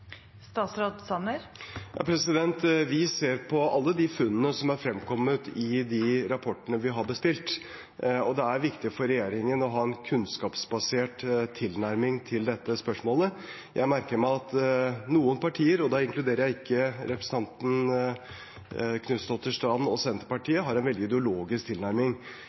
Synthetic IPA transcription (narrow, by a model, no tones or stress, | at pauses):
st̪ɑːt̪sɾoːd̪sɑnːəɾjjɑ̰ːpʰɾɛsɪd̪ɛnt̪ʋɪseːɾpʰɔʔɑlːəd̪ɪfʉnːənəsɔmæɾfɾɛmkʰɔmːət̪ɪd̪ɪɾɑpʰɔʈːəɳəʋɪɦɑɾbəst̪ɪlt̪ | ɔd̪ɛæɾʋɪkt̪ɪfɔɾːɛjeːɾɪŋənɔɦɑːɛnkʰʉnskɑːpsbɑseːʈt̪ʰːɪlnæɾmɪŋt̪ʰɪld̪ɛt̪ːəspœʂmoːlə | jʔæ̰ɪmæɾkəɾmæɪɑt̪nuːənpʰɑʈʰiːəɾɔd̪ɑɪŋklʉd̪eːɾəɾjæɪɪkʰːəɾɛpɾəsən̩ʰɑnt̪n̩ | kʰnʉsd̪ɔft̪ːəʂʈɑnɔsɛnt̪əpɑʈʰiːəɦɑɾɛnʋɛld̪ɪd̪ɛʊloːɡɪskt̪ʰɪlnæɾmɪŋ